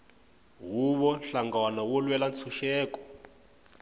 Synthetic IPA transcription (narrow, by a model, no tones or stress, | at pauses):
ɦuβɔnɬaŋɡawanawɔlwɛlant͡sʰuʃɛːkɔ̥